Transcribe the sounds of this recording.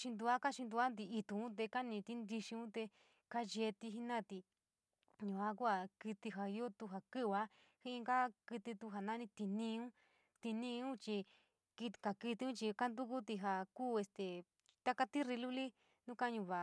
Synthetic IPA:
ʃi˧nd̪u˧a˦ka˦ʃi˧nd̪u˧a˦nd̪i˧i˧t̪ũ˧ũ˦t̪̬e˧ka˦nĩ˧t̪i˦nd̪i˧ʃĩ˧ũ˦t̪e˧ | ka˦ʒe˧t̪i˧ɦi˦nã˦t̪i˧ | ɲũ˨a˧˦ku˦a˧˨ki˧t̪i˧ɦa˨i˧˦o˦t̪u˧ɦa˨˧kɨ˦wa˦ | hi˦˧ŋɡa˦kɨ˧t̪i˧t̪u˧ɦa˨nã˦nĩ˧t̪i˧nĩ˧ũ˦ | t̪i˧nĩ˧ũ˦t͡ʃi˧ | ki˧ka˨kɨ˧t̪i˧˦ũ˦t͡ʃi˧ka˦nd̪u˦ku˦t̪i˧ɦa˧kuː˦˨e˧st̪e˨ | t̪a˦ka˧t̪i˦ɾi˧lu˦li˦ | nũ˦ka˦ɲũ˧˨βa˨

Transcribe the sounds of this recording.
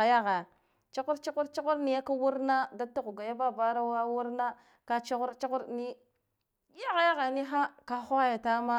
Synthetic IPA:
a˨ja˦ɣa˨ | t͡ʃa˦ku˦ɾt͡ʃa˦ku˦ɾt͡ʃa˦ku˦ɾni˦ja˦ka˦wu˦ɾna˦da˦tːa˦ku˨ɡa˨ja˦ba˦˨ba˦ɾa˦wa˦wu˦ɾna˦ | ka˦t͡ʃa˦ɣu˦ɾt͡ʃa˦ku˦ɾni˦ | ja˦ɣa˨ja˦ɣa˨ni˦ɦa˦ka˦xa˦ja˨ta˦ma˦

